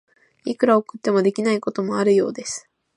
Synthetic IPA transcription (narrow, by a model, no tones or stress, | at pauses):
ikɯ̟ɾaokɯ̟t̪ːe̞mo̞d̪e̞kʲinaiko̞t̪o̞mo̞aɾɯ̟jo̞ːd̪e̞sɨ̥